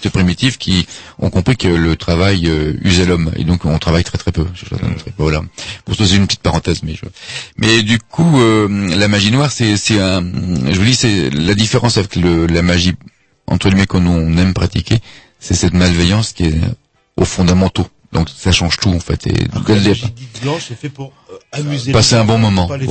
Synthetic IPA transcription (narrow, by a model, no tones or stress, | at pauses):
t̪əpχimit̪ifkʲʰiɔ̰̃kɔ̃pχikələt̪χavajøy̰zɛlɔmḛd̪ɔ̃kɔ̃t̪χavajt̪χɛt̪χɛpøsɛ̰t̪ɛ̰̃d̪t̪χɛbvwalapuʁsasɛt̪ynpət̪it̪̚paʁɑ̃t̪ɛzmɛʒə̰mʔɛd̪ykʰuølamaʒinwaʁsɛsɛɛ̃ʒəvud̪isɛlad̪ifeʁɑ̃savɛkləlamaʒi | ɑ̰̃t̪χəɡimɛkɔ̃nuɔ̃nɛmpχat̪ikʲʰe | sɛsɛt̪malvɛjɑ̃skʲiɛ | ofɔ̃d̪amɑ̃t̪o | d̪ɔ̃ksaʃɑ̃ʒt̪uɑ̃fɛ̰t̪ʰḛɛld̪ɛa | basɛɛ̃bɔ̃mɔmɑ̃